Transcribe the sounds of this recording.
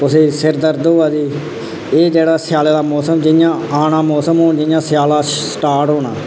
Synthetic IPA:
pʊseːsɪɾd̪əɾd̪oːaːd̪iː | eːd͡ʒeːɽaːsjaːleːd̪aːmɔːsəmd͡ʒɪjãːaːnaːmɔːsəmɦoːnd͡ʒɪjãːsjaːlaːsʈaːɾʈɦoːna̰ː

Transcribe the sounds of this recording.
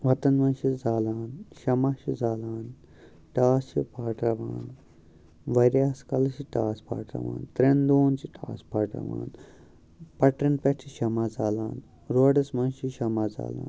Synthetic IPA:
ʋɐt̪ɐnʋɐ̃nʃizaːlaːnʃɐmaːʃizaːlaːn | ʈaːst͡ʃḭpaːʈɾɐʋa̰ːn | ʋɐɾʲjaːskɐlɐʃiʈaːspʰa̰ːʈɾɐ̰ʋa̰ːnt̪ɾend̪oːnt͡ʃiʈʰa̰ːspʰaːʈɐ̰ʋa̰ːn | pɐʈɾɐnpeʈʰiʃɐmaːzaːlaːn | ɾoɖɐsmɐnʃiʃɐmaːza̰ːla̰ːn

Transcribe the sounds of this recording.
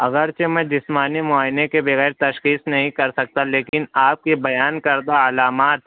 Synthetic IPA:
ɐɣəɾt͡ʃemɛ̃d͡ʒɪsmaːnimʊaːjɪnekebɐɣɛːɾt̪ɐʃxiːsnɐɦĩkɐɾsɐk̚t̪aleːkɪnaːp̚kibɐjaːnkɐɾd̪aɐlaːmaːt̪

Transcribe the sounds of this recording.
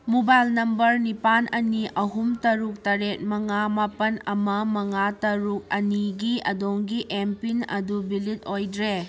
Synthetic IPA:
mubajlnɐmbɐɾnipanʔɐniɐɦumtɐɾuk̚tɐɾet̚mɐŋamapɐnɐmɐmɐŋatɐɾuk̚ɐniɡiɐ̰doŋɡiʔempinɐ̰dubilit̚ojdɾe

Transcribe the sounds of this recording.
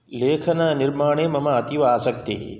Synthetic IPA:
leːkʰənaːnɪɾmaːɳ̃eːmɐmãɐt̪iʋaaːsək̚t̪ḛː

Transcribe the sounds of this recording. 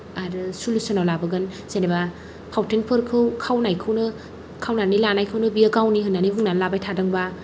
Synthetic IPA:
aɾɯsulusɯnawlabɯɡɯn | senaba | pʰawtʰenpʰɯɾkʰɯwkʰawnajkʰɯwnɯ | kʰawnanilanajkʰɯwnɯbiaɡawniɦɯnːaniɦuŋnanlabajtʰadɯŋba

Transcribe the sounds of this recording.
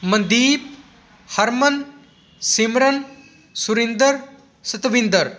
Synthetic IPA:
mɐnd̪iːp̚ | hɐɾmɐn | simɾɐn | suɾind̪ɐɾ | sɐt̪ɐʋind̪ɐɾ

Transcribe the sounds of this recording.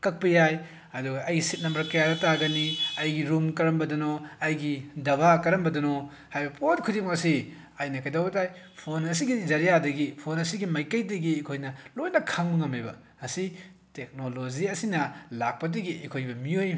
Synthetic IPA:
kɐk̚pɐjaj | ɐduɡɐʔɐjɡisit̚nɐmbɐɾkɐjadɐtaɡɐniɐjɡiɾumkɐɾɐmbɐdɐnoɐjɡidɐbʱakɐɾɐmbɐdɐno | hajbɐpʰot̚kʰudimɐsi | ajnɐkɐjdawɐtaj | pʰonɐsiɡizɐɾijadɐɡipʰonɐsiɡimɐjkɐjdɐɡiekʰojnɐlojnɐkʰaŋmuŋɐmebɐ | ɐsi | tek̚noloziɐsinɐlak̚pɐdɐɡiʔekʰojbɐmioj

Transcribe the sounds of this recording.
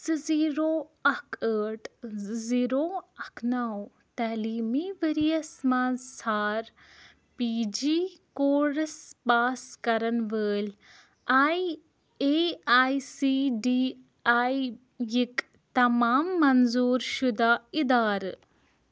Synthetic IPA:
sɨziːɾoːɐkʰəːʈziːɾoːɐkʰnaːw | t̪ɐːliːmiʋəɾijɐsmaːzsaːɾ | piːd͡ʒiːkoːɾspaːskɐɾɐnʋəːl | aːj | eaːjsiːɖiː | aːj | jik | t̪ɐmaːmːɐnzuːɾʃud̪aːid̪aːɾ

